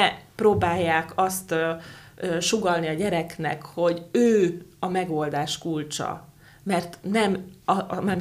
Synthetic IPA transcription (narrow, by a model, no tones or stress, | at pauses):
ɛproːbaːjːaːkɒst̪ː | øʃuɡɒlniɒɟɛɾɛknɛ̰kho̞ɟøːɒmɛɡo̞ld̪aːʃkult͡ʃɒ̰ | mɛrt̪nɛmɒmaːr